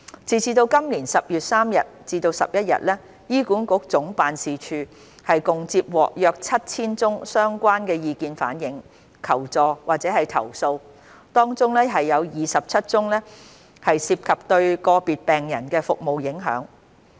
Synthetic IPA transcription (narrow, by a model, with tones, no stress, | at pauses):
t͡siː˨˩t͡siː˧t̪o˧wkɐ˥mliː˨˩nsɐ˨p̚jyː˨t̚saː˥mjɐ˨t̚t͡siː˧t̪o˧wsɐ̰˨p̚jɐ˥t̚jɐ̰˨t̚lɛː˥ | jiː˥kuː˨˥nkʊ˨˥k̚t͡sʊ˨˥ŋpaː˨nsiː˨t͡ʃʰyː˨˧ | hɐ˨jkʊ˨ŋt͡siː˧p̚wɔ̰ː˨k̚jœː˧k̚t͡sʰɐ˥t̚t͡sʰiː˥nt͡sʊ˥ŋsœː˥ŋkʷaː˥nkɛː˧jiː˨˧kiː˧nfa̰ː˨˥njɪ˨˥ŋ | kʰɐ˨˩wt͡sɔː˨waː˨k̚t͡sɛː˨˥ɦɐ˨jt̪ʰɐ̰˨˩wso˧w | t̪ɔː˥ŋt͡sʊ˥ŋlɛː˥ɦɐ˨jːɐ˨˧wjiː˨sɐ˨p̚t͡sʰɐ˥t̚t͡sʊ˥ŋlɛː˥ | hɐ˨jsiː˧p̚kʰɐ˨˩p̚t̪ɵ˧ɥkɔː˧piː˨t̚pɛː˨ŋjɐ̰˨˩nkɛː˧fʊ˨k̚mo˨wjɪ˨˥ŋɦœ̰ː˨˥ŋ